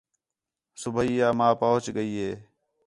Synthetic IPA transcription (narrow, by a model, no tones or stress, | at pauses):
sʊbʱiːjaːmãːpoːɦt͡ʃɠəiːɦeː